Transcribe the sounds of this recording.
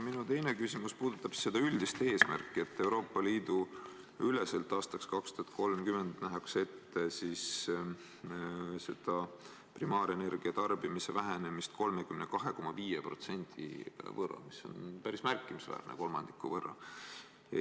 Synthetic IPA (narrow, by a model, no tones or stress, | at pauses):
minut̪ejne̞kysimuspuːd̪̥ut̪ːˑɑb̥sse̞d̪̥ɑyld̪ist̪e̞ːsmæ̰rkˑːie̞t̪ːe̞wɾo̞ːpːˑɑliːd̪̥u | yleselt̪ːˑɑːst̪ɑkskɑkst̪uɑt̪̚ko̞lmkyme̞nd̪̥næɦɑkse̞t̪ːesis | se̞d̪̥ɑ | primɑːɾe̞ne̞rɡ̥iɑt̪ɑrb̥imise̞væɦene̞mist̪̚ko̞lmekymnekɑɦe̞ko̞mɑviːjepro̞̰t̪se̞nʲt̪ʰḭvɤrːɑ̰misːo̞̰npæɾismærkːˑimisvæ̰ːrnḛko̞lmɑnd̪̥ikːuvɤrːɑ̰